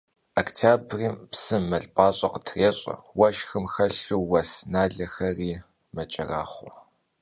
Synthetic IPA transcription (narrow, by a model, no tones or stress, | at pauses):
aktʰaːbriːmpsɨːɐɮʼpʼaːɕʼɐqətʰreːɕʼɐ̰wɐʃxɨmxɐɬuwɐsnaːɮɐxɐriː | mɐt͡ʃʼɐraːχʷɔ